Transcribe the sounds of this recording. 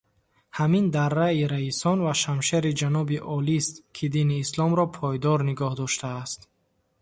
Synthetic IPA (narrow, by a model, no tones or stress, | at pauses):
hamind̪aɾːaiɾaisɔnvaʃamʃeɾid͡ʒanɔbiʔɔlist̪̚kʰid̪iniːslɔmɾɔpʰɔjd̪ɔɾniɡɔhd̪ɔʃt̪ʰaːst̪